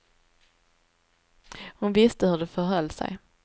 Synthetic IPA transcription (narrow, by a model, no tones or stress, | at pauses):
hʊnvɪst̪əhɵɖɛfœɾɦœlːsæ̰j